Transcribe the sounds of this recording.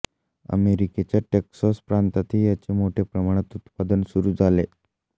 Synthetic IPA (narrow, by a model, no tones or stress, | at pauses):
ə̰meɾiket͡ɕaʈeksɔspɾant̪at̪ʰiːjat͡ɕemoʈʰepɾəmaɽ̃et̪ut̪pad̪ənsuɾuːd͡zale